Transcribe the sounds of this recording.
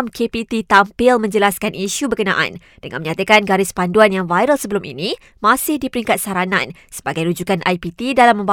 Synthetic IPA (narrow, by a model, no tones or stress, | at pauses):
mkepit̪it̪ampɪlmə̃ɲd͡ʒəlaskanʔiʃubəkənã̰ʔa̰n | dəŋã̰nməɲat̪əkanɡaɾɪspanduanjaŋvajɾəlsəbəlumʔḭnĩ | mãsɪhdipəɾiŋkat̪̚saɾanã̰n | sə̥baɡajɾud͡ʒukanʔajpit̪idalamːə̃mba